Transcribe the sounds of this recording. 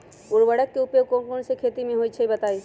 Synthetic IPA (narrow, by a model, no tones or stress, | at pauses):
ʊɾʋəɽəkːeupekokonsekʰeːt̪imẽɦoit͡ʃʰəibɐt̪aːi